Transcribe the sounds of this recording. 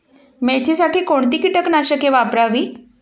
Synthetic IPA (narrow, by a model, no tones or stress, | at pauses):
met̪ʰisaʈiːkoɳt̪iːkiʈəknaɕəkeʋapɾaʋiː